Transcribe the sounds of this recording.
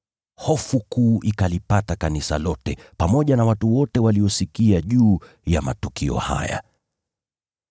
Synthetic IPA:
hɔfukuːʔikalipatakanisa̰lɔtɛpamɔʄanawatuwɔtɛwaliɔsikiaʄuː | jama̰tukiɔ̰ha̰ja̰

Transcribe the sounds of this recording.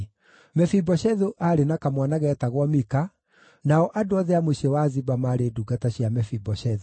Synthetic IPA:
mɛfibɔɕɛðoʔaɾenakamwanaɣɛtaɣwɔmika | naɔʔadoɔðɛamoɕɛwazibamaɾeduːɡataɕjamɛfibɔʃɛðo

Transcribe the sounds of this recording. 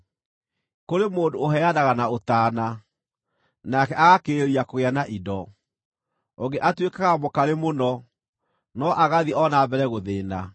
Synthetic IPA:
koɾemoːndoːɦɛadaɣanaotaːna | nakɛʔaɣakeeɾiakoɣeanaʔidɔ | oŋɡeʔatwekaɣamokaɾemonɔ | nɔʔaɣaðiɔnabɛɾɛɣoðeːna

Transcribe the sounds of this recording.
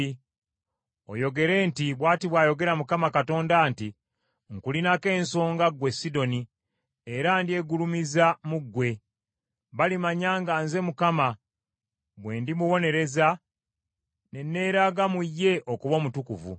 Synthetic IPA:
o̰jo̞ɡe̞ɾe̞ːntiβwaːtiβwaːjo̞ɡe̞ɾamukamakato̞ːndaːnti | ŋkulinake̞ːnso̞ːŋɡaɡwe̞sido̞ni | eɾandie̞ɡulumizamuɡːwe̞ | βalimaɲaːŋɡaːnze̞mukama | βwe̞ːndimuβo̞ne̞ɾe̞za | ne̞nːe̞ːɾaɡamujːe̞ʔokuβo̞ːmutukuvṵ

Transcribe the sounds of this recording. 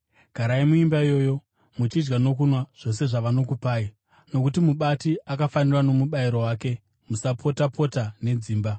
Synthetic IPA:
ɡ̥ʱaɾaimuimbaijo̞ːjo̞ | mut͡ʃid͡ʒɡano̞kunwaʐ̥o̞se̞ʐaʋano̞kupaːi | no̞kutimuɓatiʔakafanirwano̞muɓaiɾo̞waːke̞ | musapʰo̞tapʰo̞tane̞d͡ziːmba

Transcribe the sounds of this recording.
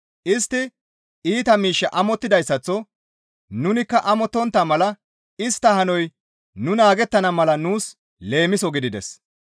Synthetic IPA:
ʔɪst̪ːɪ | iːt̪ɐmiːʃːɐʔɐmɔt̪ːɪd̪ɐjsːɐt͡sːɔ | nʊnɪkːɐʔɐmɔt̪ːɔnt̪ːamɐlɐ | ɪst̪ːɐhɐnɔj | nʊnaːɡɛt̪ːɐnɐmɐlɐnuːs | le̞ːmɪsɔɡɪd̪ɪd̪ɛ̰s

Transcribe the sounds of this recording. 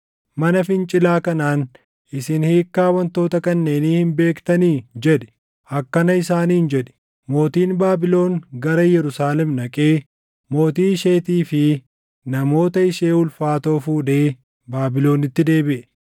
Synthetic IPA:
mɐnɐfɪnt͡ʃʼɪlaːkɐnaːn | ʔɪsɪnheːkːaːwɐnt̪o̞ːt̪ɐkɐnːe̞ːniːhɪmbe̞ːkt̪ɐniːd͡ʒɛᶑɛ̥ | ɐkːɐnɐɪsaːniːnd͡ʒɛᶑɛ̥ | mo̞ːt̪iːnbaːbɪlo̞ːŋɡɐɾɐjɛɾʊsaːlɛmnɐkʼe̞ː | mo̞ːt̪iːɪʃeːt̪iːfɪ | nɐmo̞ːt̪ɐɪʃeːʊlfaːt̪o̞ːfuːd̪e̞ː | baːbɪlo̞ːnɪt̪ːɪd̪e̞ːbɪʔɛ

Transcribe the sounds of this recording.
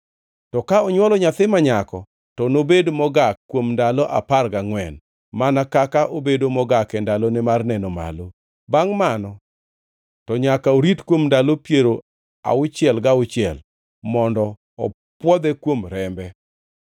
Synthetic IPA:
tɔkaɔɲwɔlɔɲat̪ɪmaɲakɔ | tɔnobedmɔɡakːwomndalɔʔa̰parɡaŋwɛn | manakakaʔobedomɔɡakɛndalonɪmarnɛnoma̰lo | baŋmanɔ | tɔɲakaoɾitkwomndalopjeɾo | a̰ʊt͡ʃɪɛlɡaʊt͡ʃɪɛl | mɔndɔ | ɔ̰ | pwɔd̪ɛkwomɾɛmbɛ

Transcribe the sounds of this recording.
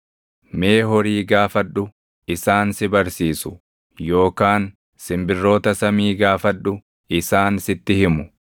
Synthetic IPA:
me̞ːɦɔɾiːɡaːfɐᶑːʊ | ɪsaːnsɪbɐɾsiːsʊ̥ | jo̞ːkaːn | sɪmbɪrːo̞ːt̪ɐsɐmiːɡaːfɐᶑʊ | ɪsaːnsɪt̪ːɪhɪmʊ

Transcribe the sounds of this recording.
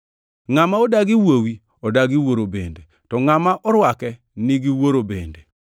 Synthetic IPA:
ŋamaɔdaɡiwowi | ɔdaɡiwoɾobḛnde | tɔŋamaʔɔɾwakɛ | nɪɡiwoɾobḛnde

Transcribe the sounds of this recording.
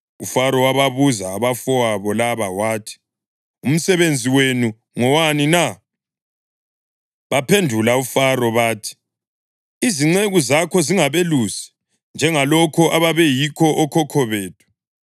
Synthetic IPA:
ufaɾɔwaβaβuzaːβafɔwaβɔlaβawaːtʰi̥ | um̩sɛβend͡zʱiwenu | ŋɔwanina | βapʰendʱulaufaɾɔβaːtʰi̥ | iziŋ͡ǀeɣuzakʰɔziŋaβelusi̥ | nd͡ʒʱɛŋalɔkʰɔʔaβaβɛjikʰɔʔɔkʰɔkʰɔβeːtʰu̥

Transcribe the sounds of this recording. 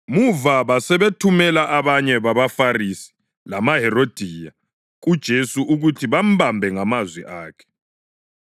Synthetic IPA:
muvaβasɛβetʰumɛlaʔaβaɲɛβaβafarisi̥ | lamaɦɛrod̥ʱiːja | ud̥ʒ̥ʱesuʔuɣutʰiβam̩bambʱɛŋamazwɛʔaːkʰɛ̥

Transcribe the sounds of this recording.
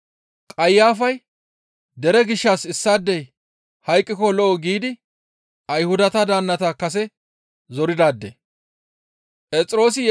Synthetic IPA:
kʼɐjːaːfɐj | d̪ɛɾɛɡɪʃːasɪsːaːd̪ːɛj | hɐjkʼːɪkɔlɔʔɔɡiːd̪ɪ | ʔɐjhʊd̪ɐt̪ɐd̪aːnːɐt̪akɐs̬ɛ | zɔɾɪd̪aːd̪ːḛ | pʼɛt͡sʼɪɾo̞ːs̬ɪj

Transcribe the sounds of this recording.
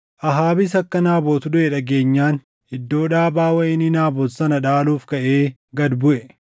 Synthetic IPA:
ʔɐɦaːbɪsɐkːɐnaːboːt̪ʊd̪ʊʔɛᶑɐɡe̞ːɲːaːn | hɪd̪ːo̞ːᶑaːbaːwɐʔɪnːɪnaːboːt̪sɐnɐᶑaːluːfkɐʔeː | ɡɐd̪bʊʔɛ

